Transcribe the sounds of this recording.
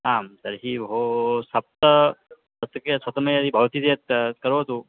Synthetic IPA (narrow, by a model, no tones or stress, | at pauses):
aːmt̪ɐɾɦiɦosɐp̚t̪əsɐt̪ɐkesɐt̪əməjɐd̪ibʱɐʋt̪it̪et̪̚kəɾot̪u